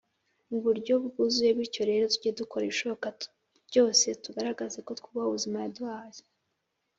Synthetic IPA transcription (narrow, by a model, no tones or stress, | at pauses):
uβuɾɟo̞βuɡuzuje̞βwiːɾco̞ɾe̞ːɾo̞tuɟeduko̞ɾeiʃo̞okḁ | ɟo̞ːse̞tuɡaɾaɡazeko̞tkuβauβuzimajaduaze̥